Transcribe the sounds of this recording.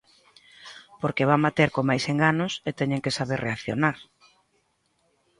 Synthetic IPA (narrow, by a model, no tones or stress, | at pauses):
poɾkeβambat̪eɾkomajseŋɡanʊset̪ɛɲẽŋkesaβeɾreaθjonaɾ